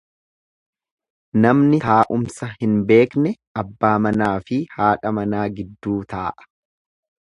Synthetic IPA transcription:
nɐmnɪt̪aːʔʊmsɐhɪnbe̞ːknɛ | ɐbːaːmɐnaːfɪhaːᶑɐmɐnaːɡɪd̪ːuːt̪aːʔɐ̥

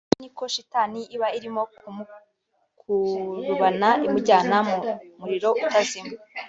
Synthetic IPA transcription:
niko̞ʃitaːniiβaiɾimo̞ | kʰuɾuβanaimuɟaːnamumuɾiɾo̞ʔutazimu

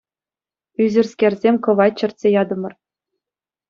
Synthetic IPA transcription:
yzʲɘ̆rsʲkʲerʲzʲemʲkɤ̆ʋɑt̚ʲt͡ɕɤ̆rtʲsʲejɑd̪ɤ̆mɤ̆r

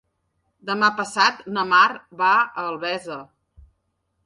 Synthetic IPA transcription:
d̪əmapəsat̪nəmarβaəːlˠβɛzə

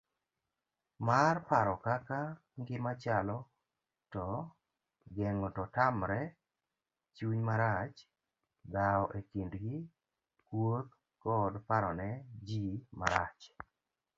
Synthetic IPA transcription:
marpaɾɔkaka | ŋɡɪmat͡ʃalɔ | tɔ | ɡɛŋɔtɔtamɾɛ | t͡ʃuɲmaɾat͡ʃ | d̪aɔʔekindɡɪ | kwot̪̚ | kɔdpaɾɔnɛd͡ʒimaɾat͡ʃ

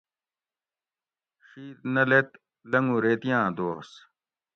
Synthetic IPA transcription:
xiːɾnɐlet̪ | lɐŋɡũɾet̪jãːd̪oːs

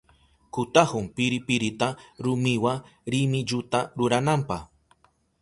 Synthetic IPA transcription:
kʊt̪ahʊmpɪɾɪpɪɾɪt̪aɾʊmɪwaɾɪmɪʎʊt̪aɾʊɾanampax

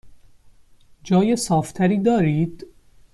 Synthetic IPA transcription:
d͡ʒɒːjesɒːft̪ʰæɾiːd̪ɒːɾiːd̪̥

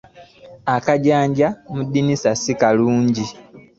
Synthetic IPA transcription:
akaɟaːɲɟamudːinisasikaluːɲɟi

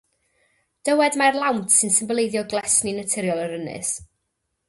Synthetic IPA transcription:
d̥əwɛdmarlˠawntʰsɨnsɪmbəlˠejðjɔɡlˠɛsninətʰɪɾjɔlˠəɾənɨ̰s

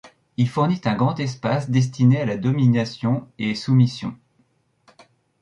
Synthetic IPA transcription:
ilfuʁnit̪ɛ̃ɡʁɑ̃t̪ɛspasd̪ɛs̬t̪inealad̪ɔminasjɔ̃esumisjɔ̰̃

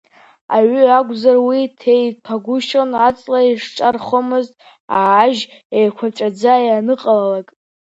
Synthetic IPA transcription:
a̰ɥɨaɡʷʼzarwitʰejtʰaɡʷʊʃonat͡sʼlaiʂʈ͡ʂʼarχomɨztʼ | aːʒejkʷʰaʈ͡ʂʼad͡zajanɨqʼalalakʼ

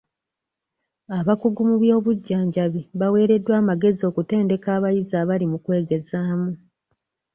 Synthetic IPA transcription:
aβakuɡumuβjo̞ːβuɟːaːɲɟaβiβawe̞ːɾe̞dːwaːmaɡe̞zio̞ːkute̞ːnde̞kaːβajizaːβalimukwe̞ːɡe̞zaːmu

